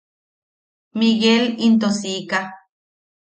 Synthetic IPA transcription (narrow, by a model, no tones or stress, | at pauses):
miɣelint̪osika